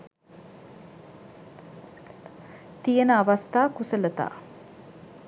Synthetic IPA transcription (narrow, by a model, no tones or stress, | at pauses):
t̪ijənəaʋast̪aːkusələt̪a̰ː